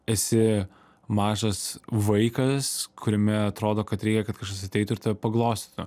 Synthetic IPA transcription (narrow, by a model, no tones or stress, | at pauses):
ɛsʲɪ | mɑːʒɐsʋɐɪkɐskʰʊɾʲɛmʲɛɐt̪ɾoːd̪oːkɐt̪ɾʲɛɪkʲɛkɐt̪kɐʃkɐs̬ʲɐt̪ʲɛɪt̪ʊɪɾt̪ɐpɐɡlˠoːsʲt̪ʲi̥t̪ʊ